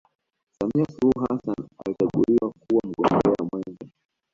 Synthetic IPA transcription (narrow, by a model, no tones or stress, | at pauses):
samiasuluɦasana̰lit͡ʃaɠuliwakuwam̩ɡɔmbɛwamwɛnza